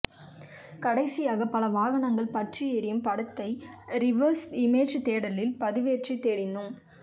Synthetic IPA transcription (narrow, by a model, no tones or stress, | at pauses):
kɐɽɐɪsɪjaːɣɐpɐlɐʋaːɣɐɳɐŋɡɐɭpɐʈrɪjeɾɪjɯmpɐɽɐt̪ːɐɪɾɪʋɐɾsɪmeːd͡ʒt̪eːɽɐlɪlpɐðɪʋeːʈrit̪eːɽɪnd̪ɯm